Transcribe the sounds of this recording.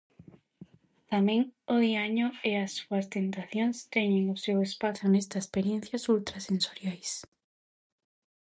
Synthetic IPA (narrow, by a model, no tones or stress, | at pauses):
t̪amẽŋoðiaɲoeasːuɐst̪ent̪aθjoŋst̪eɲeŋosewespaθonest̪aespeɾjẽn̟θjasult̪ɾasensoɾjajs